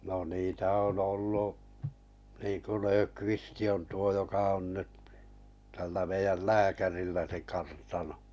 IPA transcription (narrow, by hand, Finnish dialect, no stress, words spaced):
no niːtæ on olːuʔ niːŋ̆ku løːkʋisti on tuo jokɑ on nyt tælːæ meijæl læːkærilːæ se kɑrtɑno